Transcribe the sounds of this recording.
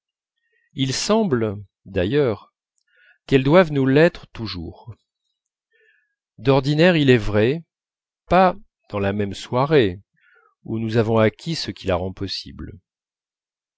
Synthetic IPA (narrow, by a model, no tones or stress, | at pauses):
ilsɑ̃bl | d̪ajœʁ | kɛld̪wavnulɛt̪χət̪uʒṵːʁ | d̪ɔʁd̪inɛʁilɛvʁɛ | pa | d̪̥ɑ̃lamɛmswaʁe | unuzavɔ̃akʲʰisəkʲilaʁɑ̃pɔsḭbl